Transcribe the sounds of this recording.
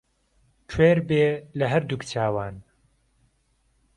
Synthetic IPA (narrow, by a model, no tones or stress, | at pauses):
tʰweːɾbeːlɐɦɐɾd̪ukt͡ʃʰaːwaːn